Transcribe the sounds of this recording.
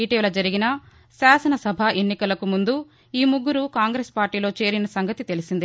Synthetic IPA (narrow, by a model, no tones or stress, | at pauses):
iːʈiːʋlɐd͡ʒɐɾiɡinɐ | saːsɐnɐsɐbʱaʔe̞nːikɐlɐkumund̪u | iːmuɡːuɾukaːŋɡɾeːspaːɾʈːiːlo̞ːt͡ʃe̞ːɾinɐsɐŋɡɐt̪it̪e̞lisind̪i